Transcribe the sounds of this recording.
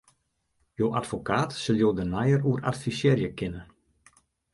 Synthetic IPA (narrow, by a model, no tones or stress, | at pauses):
joːʔatfokʰaːtsɪlˠjoːdənajəruəra̰tfisjeːrjəkɪnə